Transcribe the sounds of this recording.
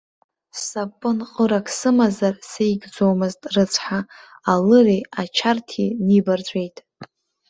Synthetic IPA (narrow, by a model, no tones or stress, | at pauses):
sapʼːɨnqʼəɾakʰsɨmazarsejɡd͡zomɨztʼrɨt͡sʷʰħaalɨreat͡ʃʰartʰinibard͡ʒʷʼejtʼ